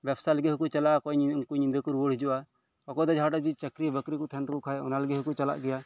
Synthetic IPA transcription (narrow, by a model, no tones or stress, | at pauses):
bɛpʰsaləɡɛɦukut͡ʃalakɔnkuɲind̪əkuɾəɽɦid͡ʒɔʔa | ɔkɔd̪ɔd͡ʒʱaaʈad͡ʒit͡ʃəkɾibəkɾikɔt̪ʰɛnt̪kukʰaɛɔ̰naləɡɛɦɔkut͡ʃala̰ʔɡɛja